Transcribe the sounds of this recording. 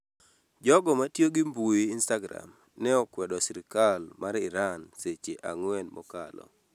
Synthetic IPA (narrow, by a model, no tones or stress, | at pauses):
d͡ʒɔɡɔmatjoɡɪmbuiːnstaɡɾa̰m | nɛɔkwɛdɔsiɾikalmaɾɪɾanset͡ʃeʔaŋwɛnmʔɔ̰kalɔ̰